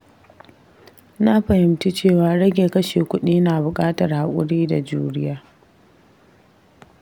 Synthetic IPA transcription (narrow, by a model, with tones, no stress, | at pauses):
na˦ɸɐ˨hɪ˨mti˦t͡ʃeː˦˨waː˨ɽɐ˦ɡʲeː˨kɐ˦ʃeː˨kʷʊ˦ɗiː˦naː˨bʊ˨kʼaː˦tɐ˨rha˨kʷʼʊ̰˦ɽiː˦da˨d͡ʒṵː˦ɽɪ˦jaː˦